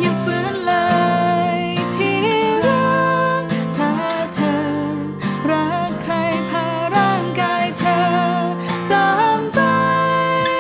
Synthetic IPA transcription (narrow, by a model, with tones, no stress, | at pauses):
ja˧fɯ˧˥nləː˧jt̪ʰi˧ɾu˥ | t̪ʰaː˧˥ | t̪ʰə˧ | ɾa˧˥kʰɾa˧jkʰaː˧wɾaː˥˩ŋkaː˧jt̪ʰə˧ | t̪ɔː˧npa˧˥j